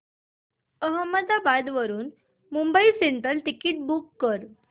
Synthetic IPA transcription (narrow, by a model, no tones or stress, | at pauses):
əɦəmːəd̪abad̪ʋəɾuːn | mumbəiseɳʈəlʈikiːʈ̚bukːəɾ